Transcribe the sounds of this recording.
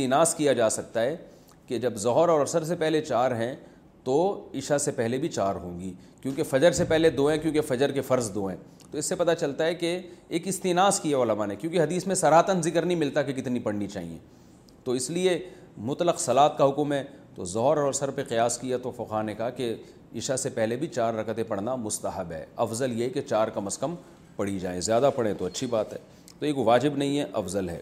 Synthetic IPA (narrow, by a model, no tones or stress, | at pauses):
st̪iːnaːskijad͡ʒaːsɐk̚t̪aɦɛ | ked͡ʒɐbzɔɦɔɾɔːɾɐsəɾs̬epɛɦlet͡ʃaːɾɦɛ̃ | t̪oɪʃasepɛɦlebʱit͡ʃaːɾɦõ̰ːŋɡi | kjõːkefɐd͡ʒəɾsepɛɦled̪oːɦɛ̃kjõːkefɐd͡ʒəɾkefɐɾzd̪oːɦɛ̰̃ː | t̪oɪsːepɐt̪at͡ʃɐlt̪aɦɛkeːkɪst̪iːnaːskieoːləmanekjõːkiɦɐd̪iːsmẽsɐɾaːt̪ənzɪkəɾnɐɦĩmɪlt̪akekɪt̪nipɐɽnit͡ʃa̰ːɦḭjḛ̃ː | t̪oɪslie | mʊt̪ləqsɐlaːt̪kaɦʊkʊmɦɛt̪ozɔɦɾɔːɾsɐɾpeqɪjaːskijat̪ofɐqaːɦnekɐɦake | ɪʃasepɛɦlebʱit͡ʃaːɾːɐkt̪ẽpɐɽ̤namʊst̪əɦəbɦɛ̰ːɐfzəljeɦɛket͡ʃaːɾkɐməskɐm | pɐɽ̤id͡ʒa̰ːḛ̃zjaːd̪apɐɽẽt̪oɐtːʃʰibaːt̪ɦɛː | t̪oeːkoʋaːd͡ʒɪbnɐɦĩɦɛʔɐfzəlɦɛ̰ː